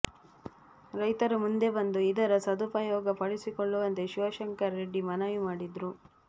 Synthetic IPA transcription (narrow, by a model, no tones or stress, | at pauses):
ɾɐjt̪ɐɾumund̪e̞bɐnd̪uid̪ɐɾɐsɐd̪upɐjɔːɡɐpɐɽisikoɭːuʋɐnt̪e̞ʃiʋɐʃɐŋkɐɾːeɖːimɐnɐʋimaːɽid̪ɾu